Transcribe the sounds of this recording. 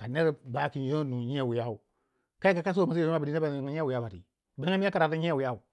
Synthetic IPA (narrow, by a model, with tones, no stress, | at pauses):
ka˨ne˦ɾba˨˦ki˨n˦jo˦nu˨ɲ˦e˦˨wu˨ja˦u˨ | ka˦i˦ka˨ka˦s̬o˦˨ma˨se˨˦u˦a˦ba˨di˦na˦ba˨ŋ˦ɲ˦e˦wi˨ja˦ba˨tḭ˨ | be˦ŋa˦m˦a˦ka˨ɾa˨ta˦ɲe˦˨wi˨ja˦u˨